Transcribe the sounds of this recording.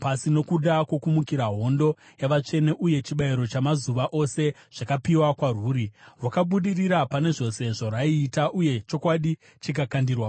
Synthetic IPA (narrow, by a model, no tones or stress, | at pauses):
pasino̞kuɗakwokumukiɾaɦo̞ndo̞ | jaʋat͡ʂe̞ne̞ʔuje̞t͡ʃiɓaiɾo̞t͡ʃamazuʋaʔo̞se̞ | ʐ̥akapiwakwaruːɾiʋwakaɓuɗiriɾapane̞ʐo̞se̞ʐoraiːtaʔuje̞t͡ʃo̞kwaɗi | t͡ʃikakandirwa